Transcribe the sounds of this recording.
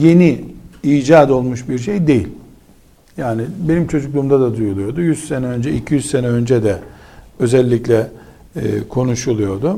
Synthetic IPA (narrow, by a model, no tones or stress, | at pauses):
je̞niiːd͡ʒaːd̪o̞lˠmuʃbiɾʃ̬ejd̪e̞jilʲ | jaːnɪbe̞nimt͡ʃʰo̞d͡ʒuklˠuːmd̪ad̪ad̪ujulˠujo̞d̪ujyzsenɛø̞nd͡ʒɛicʰijyzsenɛø̞nd͡ʒɛd̪ɛø̞zɛlʲːiclʲɛ̰ː | kʰo̞nuʃulˠujo̞d̪ʊ